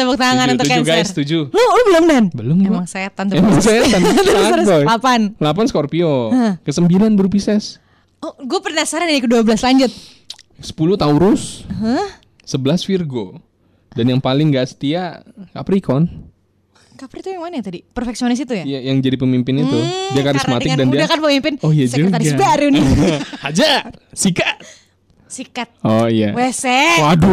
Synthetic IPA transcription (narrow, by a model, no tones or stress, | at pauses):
t̪abɔk̚t̪aaŋannut̪kd͡ʒuɡajst̪ud͡ʒulohlubəlʊmdanbəlʊmemaŋset̪ant̪emaŋseanɾɔjlapanlapanskɔrpiokəsəmbilanbəɾupisɛs | ɔɡuapərnasaɾanidikəduabəlaslaɲd͡ʒʊt̪̚ | sə̥pulut̪auɾʊsəɦəː | əbəlasfirɡo | danjaŋpalɪŋɡaʔsə̥t̪iakapɾikɔn | kapɾit̪ɔjaŋmanat̪adipərfɛksionɪs̬it̪ujaijajaŋd͡ʒadipəmimpɪnit̪udiakaɾɪsmat̪ɪkdandiaakanpəmimpɪnojad͡ʒat̪abaɾunɪhad͡ʒasikat̪̚ | sikat̪̚ɔijawesɛadʊ